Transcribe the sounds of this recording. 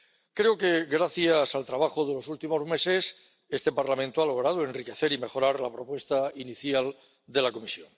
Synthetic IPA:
kɾeoke̞ɣɾaθjasalt̪ɾaβ̞axoðe̞lo̞sult̪imo̞zme̞se̞s | e̞st̪e̞paɾlamẽnt̪oalo̞ɣ̞ɾað̞oe̞nrike̞θe̞ɾime̞xo̞ɾaɾlapɾo̞pwe̞st̪ainiθjal | d̪e̞lako̞misjo̞̰ŋ

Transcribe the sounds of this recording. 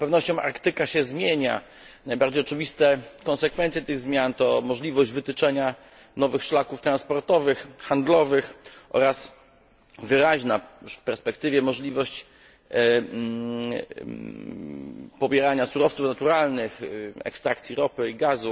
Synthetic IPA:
pɛvnɔɕt͡ɕɔ̃w̃ʔa̰ɾkt̪ɘkaɕɛzmʲjeɲa̰ | najbaɾd͡ʑejɔt͡ʂɘvʲist̪ɛkɔnsɛkfɛnt̪sjɛt̪ɘɣzmʲjant̪ɔmɔʐlʲivɔʑd͡ʑvɘt̪ɘt͡ʂɛɲa | nɔvɘxʂlakuft̪ɾanspɔɾt̪ɔvɘxxand̪lɔvɘxʔɔ̰ɾas | vɘɾaʑnafpɛɾspɛk̚t̪ɘvʲjɛmɔʐlʲivɔɕt͡ɕ | pɔbʲjɛɾaɲasuɾɔft̪sufnat̪uɾalnɘxɛ̰kst̪ɾakt̪sʲiɾɔpɘiɡazu

